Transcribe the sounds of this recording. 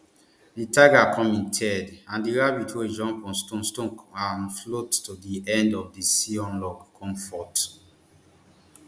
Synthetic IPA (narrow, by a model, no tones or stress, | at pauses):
ditaɡakʰɔ̃mĩntʰɛdãndiɹabitʰoid͡ʒɔ̃mpɔ̃nstõnstõnanflotːodiɛ̃ndɔvdisiɔ̃nlɔɡkʰɔ̃mfɔt